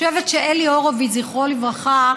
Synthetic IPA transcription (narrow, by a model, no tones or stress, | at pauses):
evetʃeʔelioʁoviziχʁolivʁaχa